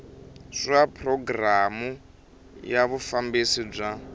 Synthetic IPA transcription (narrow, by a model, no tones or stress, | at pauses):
ʂapʰrɔɡramu | jaβufambisib͡ʐʷa